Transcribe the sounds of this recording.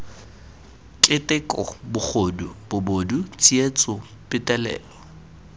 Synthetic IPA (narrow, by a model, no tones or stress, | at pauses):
kʼɪtʼɪkʼɔ̰bʊk͡xʰodub̥ʊbodut͡sʼiet͡sʼʊ | pʼɪtʼɛlɛ̰ːlɔ